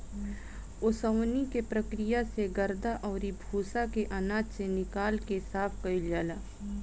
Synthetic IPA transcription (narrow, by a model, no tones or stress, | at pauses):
ʊsəwnikepɾɐkɾɪjaseɡɐɾd̪aʔɔːɾibʱuːsakeʔanaːt͡ʃsenɪkaːlkesaːpʰkɐild͡ʒaːlaː